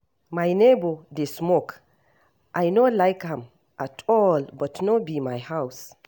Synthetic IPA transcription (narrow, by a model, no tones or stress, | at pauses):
majnebod̪esmok | ʔajnolajkhɛ̃m | ʔatʰɔlbɔtnobimajhaws